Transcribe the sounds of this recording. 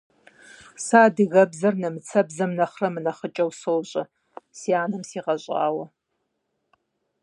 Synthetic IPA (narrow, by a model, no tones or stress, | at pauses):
saːdɨɣɐbzɐrnɐmɨt͡sʰɐbzɐmnɐχrɐmɨnɐχət͡ʃʼɐwsowɕʼɐ | sijaːnɨmsiːʁɐɕʼa̰ːwɐ